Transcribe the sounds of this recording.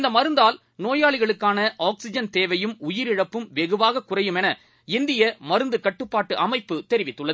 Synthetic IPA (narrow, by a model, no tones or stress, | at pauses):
ɪnd̪ɐmɐɾɯnd̪aːl | noːjaːɭɪɣɐɭɯkːaːnɐʔaːksɪd͡ʒɐnt̪eːʋɐjɯmʊjɪɾɪɻɐpːɯmʋɛɣɯʋaːɣɐkːʊrɐjɯmɛnɐ | ɪnd̪ɪjɐmɐɾɯnd̪ɯkɐʈːɯpːaːʈːɯʔɐmɐɪpːɯt̪ɛɾɪʋɪt̪ːɯɭːɐð